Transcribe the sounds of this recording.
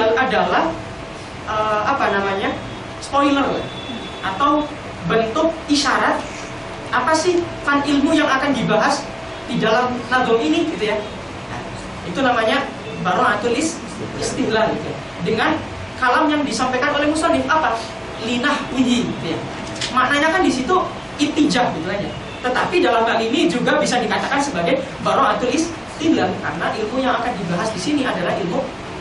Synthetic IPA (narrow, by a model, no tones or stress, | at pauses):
aadalah | ʔəapanamaɲa | spoilərla̰h | ʔat̪aw | bənt̪ʊk̚iʃaɾat̪̚ | apasɪhfanilmujaŋakandibaɦas | didalamlaɡɔŋiniɡit̪uja | ja̰ | it̪unamaɲa | baɾɔŋat̪ulɪs | ist̪ɪɦlahɡit̪uja̰ | dəŋan | kalamjaŋdisampajkanolɛhmusamɪnʔapa | linahwiɦiɡit̪uja̰ | maʔnaɲakandisit̪u | it̪id͡ʒaʔɡit̪ukad͡ʒa̰ | t̪ət̪apidalamkaliːnid͡ʒuɡabisadikat̪akansəbaɡaj | baɾɔŋat̪ulɪs | t̪ilalkaɾənaʔilmujaŋakandibaɦasdisiniadalaɦilmu